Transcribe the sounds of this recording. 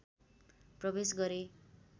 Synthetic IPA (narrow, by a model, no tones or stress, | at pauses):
prʌbesɡʌɾe